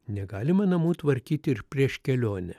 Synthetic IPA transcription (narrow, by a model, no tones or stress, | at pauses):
nʲɛɡɑːlʲɪmɐnɐmuːt̪ʋɐɾʲkʲiːt̪ʲɪɪɾpʲɾʲiɛʃkʲɛlʲoːnʲɛ